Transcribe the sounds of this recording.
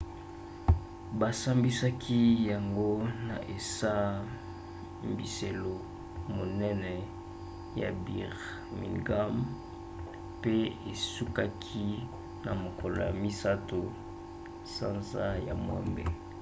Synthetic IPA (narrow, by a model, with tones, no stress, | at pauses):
ba˨sa˦mbi˦sa˦kʰi˦ja˨ŋɡo˦na˨ʔe˨sa˦ | m˨bi˨se˨lo˨ | mo˨nɛ˦nɛ˨ | ja̰˨bi˨ʁ | mḭ˨ŋɡa˦m | pe˦e˨su˦ka˦kʰi˦ | na˨mo˨kɔ˨lo̰˨ja̰˨mi˦sa˦to˨ | sa˦nza˦ja˨mwɛ̰˦mbḛ˨